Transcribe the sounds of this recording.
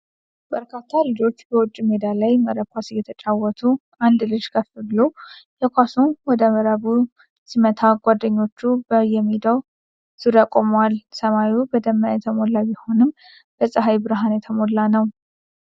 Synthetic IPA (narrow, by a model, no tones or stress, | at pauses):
b̥əɾkʰat̪ʰːalɨd͡ʒo̞t͡ʃːbəwʊt͡ʃʼːimed̪alajməɾəkʷasjːɛt̪ʰət͡ʃʼawːɔt̪ʰu | and̪lɨd͡ʒkʰəfɨlujɛkʷasunwɔd̪əməɾəβu | simət̪ʰaɡʷad̪əɲːo̞t͡ʃːubəjɛmːid̪əw | z̥ɨɾakʼomwalsəmajubəd̪əmːajɛt̪ʰəmolːabɪho̞nɨm | b̥əsʼəɦajbɨɾɦanjɛt̪ʰəmolːanəw